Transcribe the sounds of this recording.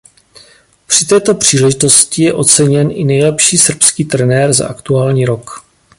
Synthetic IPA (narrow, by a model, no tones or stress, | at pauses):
pr̥ɪt̪ɛːt̪o̞pr̝̥iːlɛʒɪt̪o̞scɪjɛʔo̞t͡sɛɲɛnʔɪnɛjlɛpʃiːsr̩pskiːt̪ɾɛnɛːɾza̰ʔakt̪uaːlɲiːɾo̞k